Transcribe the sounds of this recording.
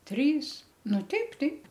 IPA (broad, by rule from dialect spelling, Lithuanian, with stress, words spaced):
ˈtʲrʲiːs ˈnʊ ˈtʲɛɪp ˈtʲɛɪp